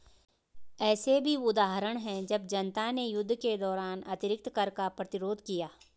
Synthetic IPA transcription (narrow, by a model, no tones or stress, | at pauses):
ɛːsebʱiʊd̪aːɦɾəɽ̃ɦɛ̃d͡ʒɐbd͡ʒɐnt̪anejʊd̪ʱːked̪ɔːɾaːnɐt̪ɪɾɪk̚t̪kɐɾkapɾɐt̪ɪɾoːd̪ʱkijaː